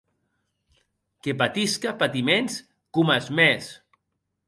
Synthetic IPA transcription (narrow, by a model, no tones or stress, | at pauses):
kepat̪iskapat̪imens | kumazmes